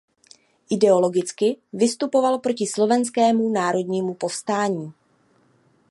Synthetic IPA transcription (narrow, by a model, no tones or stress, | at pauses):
ʔɪdɛo̞lo̞ɡɪt͡skɪvɪst̪upo̞valpɾo̞cɪslo̞vɛnskɛːmunaːɾo̞dɲiːmupo̞fst̪aːɲiː